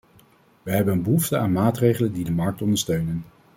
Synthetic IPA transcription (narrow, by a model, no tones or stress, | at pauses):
ʋəɦɛbənənbəɦuftəaːnmaːtrejχələndidəmɑɹk̚tɔndəɹstøɥnən